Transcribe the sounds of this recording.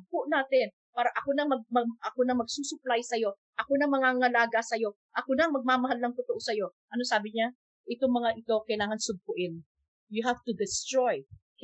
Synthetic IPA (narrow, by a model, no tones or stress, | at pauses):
pʊʔnaːt̪ɪn | paːɾɐʔɐkonɐmɐɡ̚mɐɐkonɐmɐɡ̚suːsʊplajsɐjo̞ | ʔɐkonɐŋmɐŋaːŋɐlaːɡasɐjo̞ | ʔɐkonɐŋmɐɡ̚maːmɐɦalnɐŋt̪ʊt̪ʊʔo̞sɐjo̞ʔɐnosaːbɪɲa | ʔɪt̪oŋmɐŋaʔɪt̪o̞kɐjlaːŋɐnsʊb̚kʊʔɪn | jʊɦaft̪ʊd̪ɪst̪ɹoj